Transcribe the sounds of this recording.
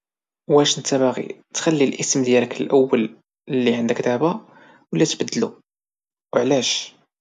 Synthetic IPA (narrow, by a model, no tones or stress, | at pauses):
wæʃnt̪æbaɣḭt̪xælːilʔəsmd̪jæləkəlʔəwːəl | lːiʕand̪əkd̪aʕba | wəlːæt̪bəd̪ːlu | wʕlæʃ